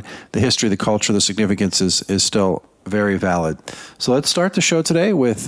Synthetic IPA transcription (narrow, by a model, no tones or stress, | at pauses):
ðɨɦɪstɹ̥iðɨkʰʌlˠt͡ʃə˞ðɨsɨɡ̚nɪfɨkɨ̃nsɨz̥ɪz̥stɪlˠ | vɛɹivælˠəd̥̚soʊlətstɑɹt̪̚ðɨʃoʊtʰɨɾeɪwɪð̥